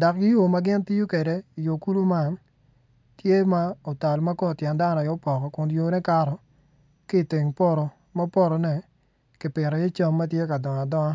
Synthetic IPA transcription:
da˨k̚ɡɪ˦jo˦˨ma˦ɡɪ˦nti˦jo˦kɛ˨de˨i˨jo˨ku˦lu˦ma˦n | tje˦ma˦o˨ta˨lma˦kɔ˦˨tjɛ˨nda˦nɔ˨jo˦pɔ˨kɔ˨kʊ˨njo˨nɛ˦ka˦ɾɔ˨ | kɪ˦˨tɪ˨ŋpɔ˦ɾɔ˨ | ma˦pɔ˦ɾɔ˨nɛ˨ | kɪ˨pɪ˨ɾɔ˨je˦t͡ʃa˦mːa˦tje˦ka˨dɔ˨ŋa˨dɔ˦ŋa˦

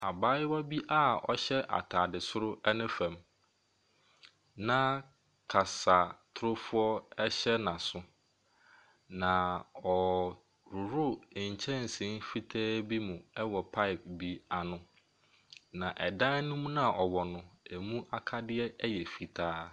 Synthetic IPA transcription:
a˨baː˦jɪ˦wa˦bi˦ʔa˦˨ɔ̰˨ɕɛ˦ʔa̰˨tʰaː˨dɪ˨sʊ˦ɾʊ˦ɛ˦nʊ̃˦fɛ̃˨m | nã˦ | kʰa˨sa˨tʰʊ˦ɾʊ˦fʊ˦ɔ˦ɛ˦ɕɛ˦nã˨sʊ˦ | nã˨ɔ˨ | ɾʊ˨ɾʊ˦˨ɲ̩˨t͡ɕʰɛ̃˦n̩˨sĩ˦n˦fi˦tʰɛː˦bi˦mũ˨ɛ˦wɔ˨pʰa˦ɪ˨p̚bi˦a˨nʊ̃˨ | nã˨ʔɛ˨dã˦nũ˦m˦nã˦˨ʔɔ˨wɔ˨nʊ̃˨æ˨mũ˦ʔa˦˨kʰa˦dɪ˦ɛ˦ɛ˦jɛ˨fi˨tʰaː˦

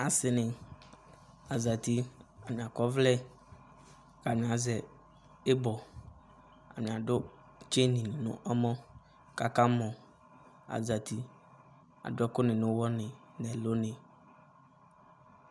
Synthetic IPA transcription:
a˨sɪ˨nɪ̃˨ | a˨za˨ti˨a˨mɪ̃˨a˨kɔ˦vlɛ˦ | ka˨nɪ̃˨a˨zɛ˨ | ɪ˦bɔ˨ | a̰˨mɪ̃˨a˨dʊ˦ | t͡ʃe˦nĩ˨nʊ̰̃˦ʔa˦mɔ̃˦ | ka˨ka˦mɔ̃˨ | a̰˨za˨t̪ʰi˨ | a̰˨dʊ˦ɛ˦kʊ˦nɪ̃˨nʊ̃˦wɔ˦nɪ̃˨ | nɛ̃˨lo˦nɪ̃˨

